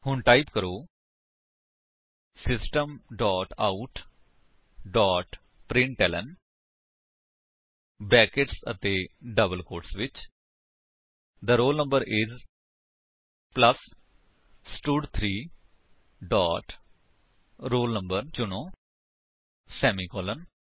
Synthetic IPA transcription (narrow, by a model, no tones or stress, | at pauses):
hʊɳʈaːɪpkəɾoː | sɪsʈəmɖɔːʈaːʊʈ | ɖɔːʈ | pɾɪ̃ɳʈɛːlə̰n | bɛːkɪʈsə̰t̪eːɖəbəlkoːʈsʋɪt͡ʃ | d̪əɾoːlnə̃mbəɾʔɪz | pləs | sʈuːɖt̪ʰɾiː | ɖɔːʈ | ɾoːlnə̃mbəɾt͡ʃʊñõː | sɛːmiːkɔːlən